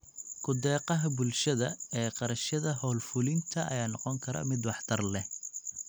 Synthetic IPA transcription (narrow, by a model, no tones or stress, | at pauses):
kʰʊd̪ɛːqɑɦɐbʊlʃɐðɐɛːqɑɾɐʃɐðɐɦɔːlfʊlɪnt̪ʰɐʔɐ̰jaːnɔqɔŋkʰɐɾɐ̰mɪd̪wɑħt̪ʰɐrlɛ